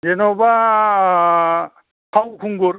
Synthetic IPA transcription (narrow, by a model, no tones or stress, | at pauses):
d͡ʒenɔba | pʰawkʰuŋɡuɾ